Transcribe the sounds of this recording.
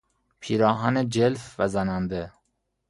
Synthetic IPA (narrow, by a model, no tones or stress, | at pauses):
pʰiːɾɒːɦɒned͡ʒelfvæzænænd̪e